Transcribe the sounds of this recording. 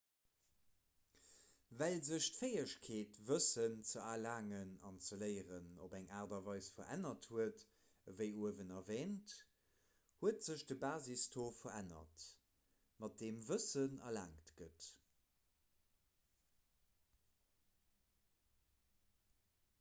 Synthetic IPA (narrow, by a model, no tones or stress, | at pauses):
vælzəɕtfeɪəʃkʰeːtvəsənt͡səalaːŋənɑnt͡səlɜɪʁənobæŋʔaːʁdɐvɑɪsfɐʔæ̰nɐthuət | vəɪuəvənɐveːnt | huətz̥əɕdəbaːzistʰoːfɐænɐ̰t | mɑt̚d̥eːmvəsənɐ̰la̰ːŋtɡ̥ət